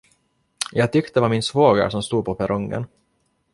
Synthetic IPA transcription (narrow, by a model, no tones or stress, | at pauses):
jɑːɡ̚t̪ʰʏkt̪əd̪ɛvaɾmɪnsvoːɡa̰ɾsɔmst̪uːd̪pɔpʰɛɾʔɔŋːə̰n